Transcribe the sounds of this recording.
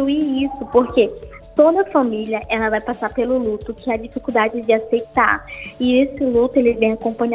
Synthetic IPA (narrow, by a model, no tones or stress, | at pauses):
uiisʊpoɾke | t̪od̪ɐfamiljɐʔɛlɐvajpasaɾpelʊlut̪ʊkɪad͡ʒifikud̪ad͡ʒɪd͡ʒɪasejt̪a̰ɾɪesɪlut̪ʊelɪvẽj̃akõmpɐ̃ɲa